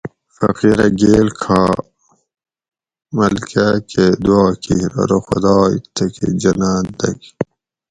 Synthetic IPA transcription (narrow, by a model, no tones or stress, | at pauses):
fɐ̰qiɾɐɡeːlkʰaː | mɐlkakʰed̪uaːkiɾɐ̰ɾoxʊd̪ɑːḭt̪ːɐkʰḛd͡ʑɐnaːnd̪ɐk